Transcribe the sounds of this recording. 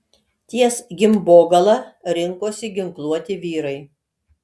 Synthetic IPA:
t̪ʲiɛsɡʲɪmboːɡɐlˠɐɾʲɪŋkoːsʲɪɡʲɪŋklˠuɔt̪ʲɪʋʲiːɾɐɪ

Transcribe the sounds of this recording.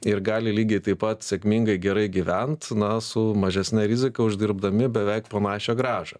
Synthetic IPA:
ɪɾɡɑːlʲɪlʲiːɡʲɛɪt̪ɐɪpɐt̪sʲɛkmʲiŋɡɐɪɡʲɛɾɐɪɡʲiʋʲɛnt̪nɐsʊmɐʒʲɛsʲnʲɛɾʲizʲɪkɐʊʒʲd̪ʲɪɾbd̪ɐmʲɪbʲɛʋʲɛɪkpoːnɑːʃʲoːɡɾɑːʒɐ

